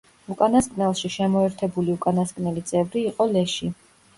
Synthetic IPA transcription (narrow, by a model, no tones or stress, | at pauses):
ukʼanaskʼnɛlˠʃiʃɛmɔɛɾt̪ʰɛbuliukʼanaskʼnɛlit̪sʼɛvɾiːqʼɔlɛʃi